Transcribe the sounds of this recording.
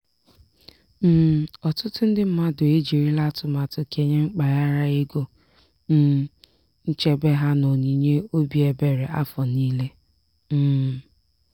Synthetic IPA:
m̩ː˦˨ɔ˨tʊ˦tʊ˦n̩˦dɪ˦m̩˦ma˦dʊ˨e˦d͡ʒi˨ɾi˦la˦tʊ˨ma˨tʊ˨kʰe˨ɲe˦ŋ͡m̩˦k͡pa˨ja˦ɾa˦ɪ˦ɡo˦ | n̩˦˨ | n̩˦t͡ʃe˦be˦ɦa˦no˨ɲi˨ɲe˦o˦bi˨e˨be˨ɾe˨ʔa˦fɔ˨niː˦le˦ | m̩ː˦˨

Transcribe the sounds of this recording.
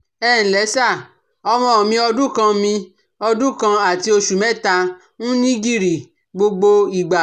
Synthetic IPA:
ɛː˦˨ñ̩˨lɛ˨˦sa˦˨ | ɔ˧mɔ̃˧˨mĩ˧ɔ˧dũ˦kã˧mĩ˧ | ɔ˧dũ˦kã˧a˨ti˧˦o˧ʃu˨mɛ̃˦˨ta˧ | nũ˦nĩ˦ɡi˦˨ɾi˨ | ɡ͡bo˧ɡ͡bo˧i˨ɡ͡ba˨

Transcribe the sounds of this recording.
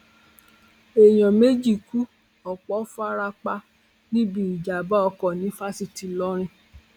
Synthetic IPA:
e˨j̃ɔ̃˨me˦d͡ʒi˦˨ku˦ | ɔ˨k͡pɔ˨˦fu˦a˦ɾa˧k͡pa˧ | nĩ˦bĩ˦˨i˨d͡ʒa˨ba˦ɔ˧kɔ˨nĩ˨˦fa˦si˨ti˨lɔ˦ɾ̃ĩ˧

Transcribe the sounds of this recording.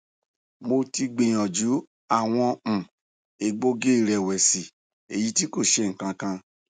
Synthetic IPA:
mo˧ti˧ɡ͡bẽ˨j̃ɔ̃˨d͡ʒu˨˦ | a˦˨w̃ɔ̃˧˨ | e˨ɡ͡bo˧ɡe˦i˨ɾɛ˨wɛ˨si˨ | e˨ji˧˦ti˦ko˦˨ʃe˧ŋ̩˨kã˧kã˧

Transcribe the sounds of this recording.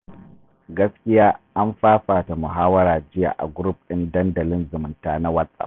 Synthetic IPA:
ɡɐ˦skʲɪ˦jaː˦ʔa˦mɸaː˦ɸaː˨ta˨mʊ˨ɦaː˦wɐ˦ɾaː˨d͡ʒɪ˦ja̰ː˨ʔa̰˨ɡʊ˦ɾu˦p̚ɪ˦ndɐ˦ndɐ˨lɪ˦nzʊ˨mʊ˨ntaː˦na˦wɐ˦sʼa̰˨

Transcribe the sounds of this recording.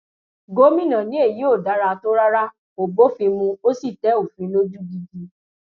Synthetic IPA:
ɡo˨˦mĩ˦˨nã˨nĩ˦e˦˨ji˨˦o˦˨da˨˦ɾa˧to˦ɾa˦ɾa˦ | o˨bo˨˦fĩ˧mũ˧o˦si˦˨tɛ˨˦o˦˨fĩ˨˦lo˦d͡ʒu˦ɡi˧ɡi˧

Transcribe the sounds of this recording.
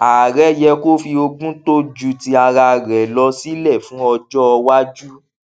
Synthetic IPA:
a˨ɾɛ˦jɛ˧ko˦fi˧o˧ɡũ˦to˦d͡ʒu˧ti˧a˧ɾa˧ɾɛ˨lɔ˧˦si˦lɛ˦˨fũ˦ɔ˧d͡ʒɔ˦˧wa˦d͡ʒu˦

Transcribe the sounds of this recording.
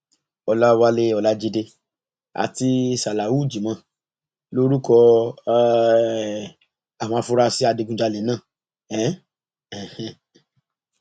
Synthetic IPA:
ɔ˧la˦˧wa˦le˦ɔ˧la˦d͡ʒi˧de˧ | a̰˨ti˧sa˨la˨wu˦˨d͡ʒi˨mã˧˨ | lo˦ɾu˦kɔ˧˦ | a˨mã˧fu˧˦ɾa˧si˦a˧de˧ɡũ˦d͡ʒa˧lɛ˨nã˦˨ | ɛ˨˦ | ɛ˨h̩˨

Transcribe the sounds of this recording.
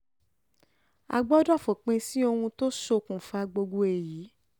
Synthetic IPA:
a̰˧ɡ͡bɔ˦dɔ˦˨fo˨k͡pẽ˧si˦o˧hũ˧to˦ʃo˧kũ˨fa˧ɡ͡bo˧ɡo˧e˨jiː˨˦

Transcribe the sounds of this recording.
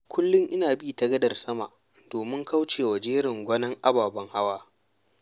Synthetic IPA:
kʷʰʊ˦lːʊ˦ŋʔɪ˦naː˨biː˦tɐ˦ɡɐ˦dɐ˨rsɐ˦ma̰˨ʔ | d̥oː˨mɪ˦ŋka˦wt͡ʃeː˨wɐ˨d͡ʒeː˦ɾɪ˨ŋɡʷɐ˦nɐ˦ŋʔa˦baː˨bɐ˦ŋha˦waː˦

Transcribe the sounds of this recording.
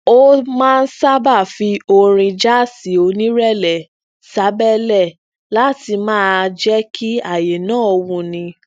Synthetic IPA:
o˦mãː˦˧n̩˦sa˦ba˦˨fi˧o˧ɾ̃ĩ˧d͡ʒa˦si˨˦o˧nĩ˦ɾɛ˦˨lɛ˨ | sa˨˦bɛ˦lɛ˦˨ | la˦ti˧mãː˦d͡ʒɛ˦kʰi˦a˦˨je˨nãː˦˨o˧wũ˧˨nĩ˧

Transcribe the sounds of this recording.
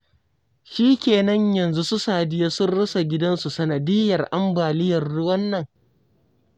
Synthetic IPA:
ʃiː˦kʲeː˨nɐ˦ɲjɐ˨nzu˦su˦saː˨dɪ˦jaː˦sʊ˦nɽʊ˦sa˨ɡʲɪ˦dɐ˦nsu˨sɐ˨nɐ˨dɪ˦jɐ˨rʔa˦mbaː˨lɪ˦jɐ˨rːʊ˦wɐ˦nːɐ˨ŋ

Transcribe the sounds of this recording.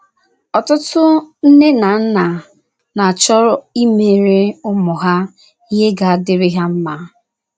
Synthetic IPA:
ɔ˨tʊ˦tʊ˦n̩˦ne˦na˨n̩˦na˨ | na˨a˨t͡ʃɔ˦ɾɔ˦i˦me˨ɾe˦ʊ˦mʊ˨ɦa˦ | i˦ɦe˦ɡa˨a˦dɪ˦ɾɪ˦ɦa˦m̩˦ma˦

